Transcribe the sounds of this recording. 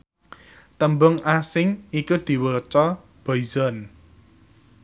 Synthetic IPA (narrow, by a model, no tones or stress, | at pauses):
t̪əmbʊŋasɪŋikud̪̥i̤wət͡ʃɔ | b̥ɔizɔn